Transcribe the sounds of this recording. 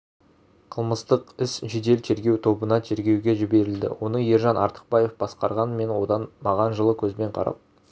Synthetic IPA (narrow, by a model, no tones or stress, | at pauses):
qʰəlˠməst̪əqɪsʒed̪e̞lt̪ʰe̞ɾɡʲe̞wt̪ʰo̞bənɑt̪ʰe̞ɾɡʲe̞wɡʲe̞ʒɪbe̞ɾɪld̪ɪ̰wo̞nəje̞ɾʒɑnʔɑ̰ɾt̪ə̥q̚bɑje̞fb̥ɑsqɑɾʁɑnme̞nwo̞d̪ɑnmɑʁɑnʒəlˠəkʲʰɵzme̞ɴqʰɑ̰ɾɑ̰p̚